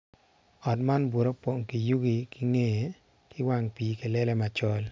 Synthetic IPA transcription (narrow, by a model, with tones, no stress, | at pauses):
ɔ˨tma˦nbwo˨ɾo˦po˨ŋki˨ju˦ɡi˨kɪ˦ŋe˦je˨ | kɪ˦wa˦ŋpi˨˦ke˨lɛ˦lɛ˦ma˨t͡ʃɔ˦l